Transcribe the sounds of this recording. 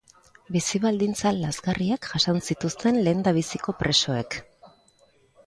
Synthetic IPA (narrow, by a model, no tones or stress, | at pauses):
bisiβald̪int͡salːazɣariakʝasansit̪ust̪e̞nle̞ːnd̪aβ̞isiko̞pɾe̞so̞e̞k